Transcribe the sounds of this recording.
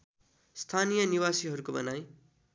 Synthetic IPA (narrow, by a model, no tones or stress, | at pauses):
st̪ʰanijʌniwasiɦʌɾukobʌ̰naj